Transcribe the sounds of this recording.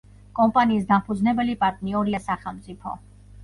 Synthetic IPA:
kʼɔmpʼaniːs̬d̪ampʰud̪znɛbɛlipʼaɾt̪ʼniɔɾiasaχɛlˠmt̪sʼipʰɔ̰

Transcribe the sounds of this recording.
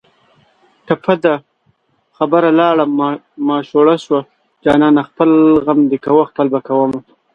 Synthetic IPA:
kapad̪a | xabəɾalɑɽam | mɑʃoɽaʃwa | d͡ʒɑːnɑnaxpəlɣamd̪ekawəxpəlbakawəma

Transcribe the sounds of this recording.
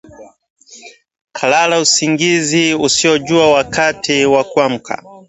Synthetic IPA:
kʰalalausiŋɡiziusiɔʄuawakatiwakuam̩kʰa̰

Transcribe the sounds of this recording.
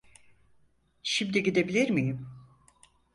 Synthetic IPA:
ʃimd̪iɟid̪e̞bilʲiɾmijim

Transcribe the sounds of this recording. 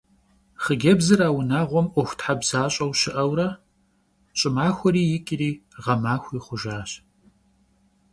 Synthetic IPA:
χəɡʲɐbzɨɾaːwʊnaːʁʷɔmʔʷɔxʷtħabz̥aːɕʼɐwʃɪʔɐwɾɐ | ɕʼɪmaːxʷɔɾiːjɪkʼɪriːʁɐmaːxʷiːχʷʊʒaːɕ

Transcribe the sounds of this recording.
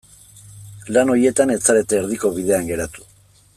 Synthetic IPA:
lano̞je̞t̪ane̞t͡saɾe̞t̪eːɾðiko̞βið̞e̞aŋɡe̞ɾat̪u̥

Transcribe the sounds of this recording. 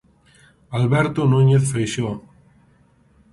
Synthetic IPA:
alβɛɾt̪onuɲeθfɾejʃo

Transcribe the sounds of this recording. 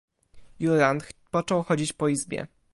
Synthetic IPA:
juɾant̪pɔt͡ʂɔwxɔd͡ʑit͡ɕpɔizbʲjɛ̰

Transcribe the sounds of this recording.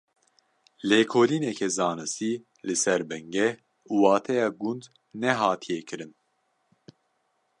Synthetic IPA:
leːkʰoːliːnɛkʰɛzɑːnɨst̪iː | lɨsɛɾbɛŋɡɛ | uːwɑːt̪ʰɛjɑːɡund̪ | nɛɦɑːt̪ʰijɛkʰɨɾɨn

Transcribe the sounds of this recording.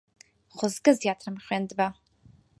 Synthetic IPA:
χʷʊzɡɨzjatʰrɨmχʲʷandba

